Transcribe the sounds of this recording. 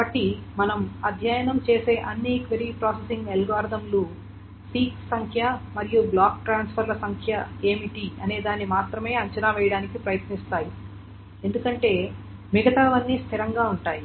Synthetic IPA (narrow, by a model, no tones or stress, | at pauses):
kɐbɐʈːimɐnɐmɐd̪ʱjɐjɐnɐmt͡ʃe̞ːse̞ːʔɐnːiːkʋeɾipɾaːsesiŋɡelɡaːɾd̪ʱɐmlu | siːksɐŋkʰjɐmɐɾijublaːk̚ʈɾaːnspʰɐɾlɐsɐŋkʰjɐe̞ːmiʈiɐne̞ːd̪aːnːimaːt̪ɾɐme̞ːɐɲt͡ʃɐnaːʋɛːjɐɽaːnikipɾɐjɐt̪nist̪aːji | e̞nd̪ukɐɳʈe̞ː | miɡɐt̪aːʋɐnːist̪ʰiɾɐŋɡaːuɳʈaːji